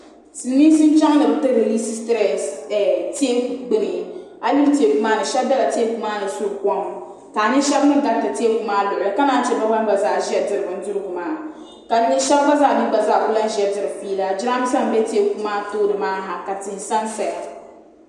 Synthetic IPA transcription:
sɨ˨˦mi˦sɨ˦n˦t͡ʃa˦ŋ˦nɨ˨bɨ˨˦tɨ˦ɾe˨li˦si˦stɾɛ˨sti˦e˦ɡ͡bɨ˨nɨ˨ɪ˦ | a˨lɪ˦lti˨e˨ku˨maː˦nɨ˨ʃɛ˦b̚da˦la˨ti˦e˦ku˨maː˦nɨ˨su˦˨kɔ˦ŋ˨taː˨nɨ˦ʃɛ˦bnɨ˦ŋ˦ɡa˨n˦ta˨ti˦e˦ku˨maː˦lʊ˨ʔɨ˨ɨ˨ka˦naː˦t͡ʃɛ˦ba˦ɡ͡ba˦n˦ba˨zaː˦˨ʒi˦ɛ˨dɨ˨ɾɨ˨bɨ˨n˦dʊ˦ɾɨ˦ɡʊ˨maː˦˨ | ka˨ɲɪ˦ʃɛ˦lba˦zaː˦˨nɨ˦ba˨za˦˨ʊ˦la˦n˦ʒɛ˨dɨ˨ɾɨ˨fiː˦la˦d͡ʒɪ˦ɾa˦m˦sa˦m˨bɛ˦ti˦e˦ku˨maː˦toː˦dɨ˨maː˦ɦa˨ka˨tɪ˨hsa˦nsa˨ja˨

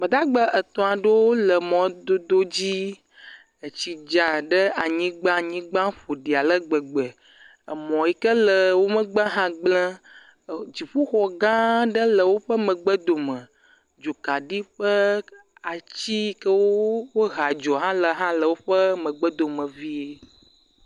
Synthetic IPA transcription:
mə̃˨d̪a˦ɡ͡bə˦ʔə˨t̪ɔ̃˨a˨ɖe˦wo˦lə˨mɔ̃˨d̪o˦d̪o˦d͡ʑi˦ | ə˨t͡ɕi˨d͡ʒa˨ɖə˦a˨ɲĩ˦ɡ͡bã˦˨ɲĩ˦ɡ͡bã˦ɸo˨ɖi˨a˨lə˦ɡ͡bə˨ɡ͡bə˨ | ə˨mɔ̃˨ji˨kə˦lə˨wo˦mə˦ɡ͡bə˦ɦã˦ɡ͡blə̃˦ | d͡ʑi˨ɸu˦xɔ˨ɡã˦ɖə˦lə˨wo˦ɸə˦mə̃˨ɡ͡bə˦d̪o˨mə̃˨ | d͡ʒo˨ka˨ɖi˦ɸə˦ | a˨t͡ɕi˦kə˦wo˦wo˦ɦa˨d͡ʒɔ˨ɦã˦lə˨ɦã˦lə˨wo˦ɸə˦mə̃˨ɡ͡bə˦d̪o˨mə̃˨vi˦e˦

